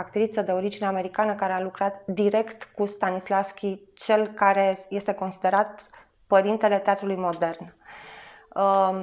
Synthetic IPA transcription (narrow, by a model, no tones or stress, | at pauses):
akt̪ɾit̪səd̪e̞o̞ɾid͡ʒine̞ame̞ɾikanəkaɾe̞alukɾat̪d̪iɾe̞kt̪kust̪anislafskʲit͡ʃe̞lkaɾe̞je̞st̪e̞ko̞nsid̪e̞ɾat̪ | pəɾint̪e̞le̞t̪eat̪ɾulujmo̞d̪e̞rn